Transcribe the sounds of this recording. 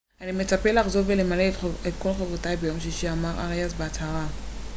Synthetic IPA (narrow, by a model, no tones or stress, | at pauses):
anime̞t͡sapelaχzo̞vvelemaleet̚ko̞lχavʁotajbejo̞mʃiʃiamaʁa̰ʁejazbeat͡shaʁa